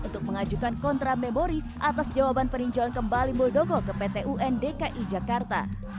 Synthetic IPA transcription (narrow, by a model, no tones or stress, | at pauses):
ʔunt̪ʊk̚məŋad͡ʒukankɔnt̪ɾamemoɾi | ʔat̪asd͡ʒawabanpəɾiɲd͡ʒawankəmbalimuldoɡɔkəpet̪eʔuʔɛndekaʔid͡ʒakart̪a̰